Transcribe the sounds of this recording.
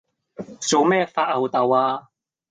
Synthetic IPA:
t͡so˨˧wmɛː˥faː˧t̚ɐ˨˩wt̪ɐ˨˩waː˧

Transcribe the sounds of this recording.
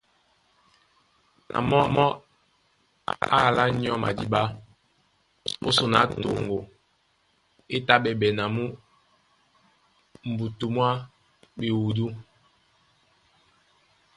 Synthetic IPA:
nʔa̰˨mɔ˦˨mɔ˦ | a̰˦˨la˦ɲ˦ɔ˦ma̰˨di˦ba˦ | o̰˦so˨na˨˦to˨ŋɡo˨ | e˦ta˦ɓɛ˨bɛ˨na˨mu˦ | m̩˨bu˨tu˨mwa˦ | ɓe˨wu˨du˦

